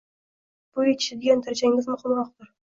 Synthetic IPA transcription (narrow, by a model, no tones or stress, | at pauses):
b̥ʊet̪ʰɪ̥ʃɪd̪eɡʲant̪ʰaɾt͡ʃʰaŋʲɪmʲɪzmʊχɪmɾɒq̚b̪ɪɾ